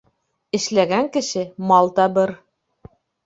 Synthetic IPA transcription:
ɘ̆ʃlæɡæŋkɘ̆ʃɘmɑlˠt̪ɑbɘɾ

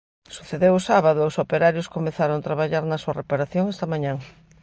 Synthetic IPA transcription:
suθeðewʊsaβaðʊʊsopeɾaɾjʊskomeθaɾont̪ɾaβaʎaɾnɐsuɐrepaɾaθjoŋɛst̪ɐmaɲãŋ

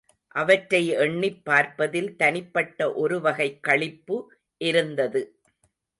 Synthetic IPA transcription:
ʔɐʋɐʈɾɐɪɛɳːɪpːaːɾpɐðɪlt̪ɐnɪpːɐʈːɐʔɔɾɯʋɐɣɐɪkːɐɭɪpːɯ | ʔɪɾɯnd̪ɐðɯ

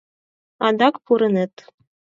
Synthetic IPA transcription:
ɑd̪ɑkpuɾɤ̆net̪

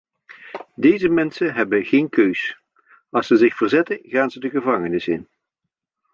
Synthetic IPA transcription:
dejzəmɛnsənɦɛbənχeːnkøɥs | ɑlˠsəzɪχfərzɛtənɣaːnzədəɣəvɑŋənɪsɪ̰n

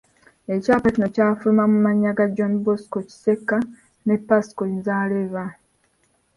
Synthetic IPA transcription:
e̞caːpacino̞caːfulumamumaɲːaɡad͡ʒonboskoci̥se̞kːa | ne̞pːasi̥koinzaːleva

